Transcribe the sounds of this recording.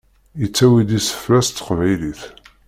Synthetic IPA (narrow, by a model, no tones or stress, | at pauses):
ət͡sːæwid̪isə̥fɾæst̪ːə̥qvæjliθ